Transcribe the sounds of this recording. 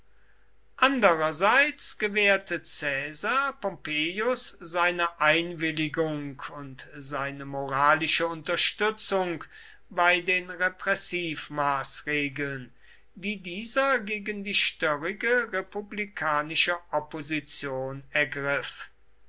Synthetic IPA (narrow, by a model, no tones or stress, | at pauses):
ʔandəʁɐzaɪt͡sɡ̥əvɛːɐtət͡sɛːzaːpɔmpeːjʊsz̥aɪnəʔaɪnvɪlɪɡʊŋkʰʊntzaɪnəmoʁaːlɪʃəʊntɐʃtʏt͡sʊŋk | baɪdeːnʁɛpʁ̥ɛsiːfmaːsʁeːɡəln | diːdiːzɐɡeːɡəndiːʃtœʁɪɡəʁepublikʰaːnɪʃəʔɔpozit͡sjoːnɛɐɡʁɪf